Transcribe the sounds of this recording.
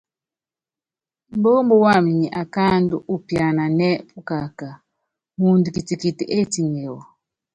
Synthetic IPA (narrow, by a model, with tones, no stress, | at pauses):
m˦bo˦mbɔ˦wa˦˨mi˨ɲi˨ʔa˨ka˦ndu˦ʔu˦pja˨na˨nɛ˦pu˦ka˨ka˨ | mu˨ndu˨ki˨ti˨ki˨ti˨ʔe˦ti˦˨ɲɛ˨wɔ˨